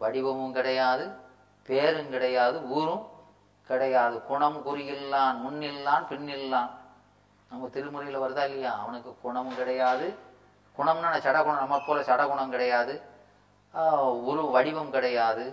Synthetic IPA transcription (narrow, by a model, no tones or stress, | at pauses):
ʋɐɽɪʋɐmɯmkɪɽɐjaːðɯ | peːɾɯmkɪɽɐjaːðɯuːɾɯ̃m | kɪɽɐjaːðɯkʊɳɐmkʊɾɪjɪlːaːnmʊnːɪlːaːnpɪɳːɪlːãːn | nɐmːɐt̪ɪɾɯmɯɾɐjɪlɐʋɐɾɯðaːkɐjaːɐʋɐnɯkːɯkʊɳɐmɯkɪɽɐjaːðɯ | kʊɳɐmnaːnɐt͡ʃɐɽɐɣʊɳɐmnɐmːɐpːoːlɐsɐɽɐɣʊɳɐmkɪɽɐjaːðɯ | ʊːɾɯʋɐɽɪʋɐmkɪɽɐjaːðɯ